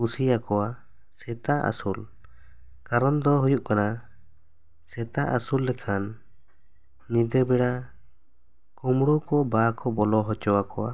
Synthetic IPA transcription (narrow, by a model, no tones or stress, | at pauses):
usijakɔwa | sɛt̪aʔa̰sul | kaɾɔnd̪ɔɦujuʔkana | sɛt̪aʔa̰sulːɛkʰan | nid̪ɛbɛɽa | kɔmɽɔkɔbakɔbɔlɔɦɔt͡ʃɔwakɔwa